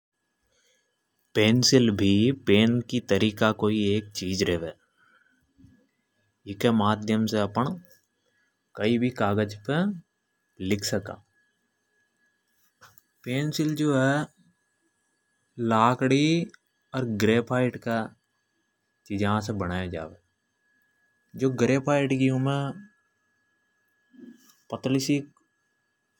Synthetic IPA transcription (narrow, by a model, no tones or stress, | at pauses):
peːnsɪlbʱipeːnkit̪əɾiːkakoːieːk̚t͡ʃiːd͡ʒɾɛɦʋeː | ɪkemaːd̪ʱjəmseɐpəɳ̃ | kəibʱikaːɡəd͡ʒpe | lɪkʰsəka̰ː | peːnsɪld͡ʒoːɦɛ | laːkɽi | ɔːɾɡɾeːpʰaːɪʈka | t͡ʃiːd͡ʒəɦãsebɐɽaːjad͡ʒa̰ːʋeː | d͡ʒoːɡɾeːpʰaːɪʈkiʊmẽ | pət̪lɪsik